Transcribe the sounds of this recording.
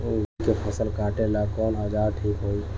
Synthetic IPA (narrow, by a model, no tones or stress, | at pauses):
kepʰəsəlkãːʈelakɔːnɦəd͡ʒaːɾʈʰiːkɦoːi